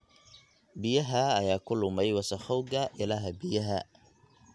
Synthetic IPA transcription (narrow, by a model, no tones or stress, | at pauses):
bɪjɐɦɐɐjaːkʰʊlʊmɛjwɐsɐxɔwɡɐʔɪlaːɦɐbɪjɐɦɐ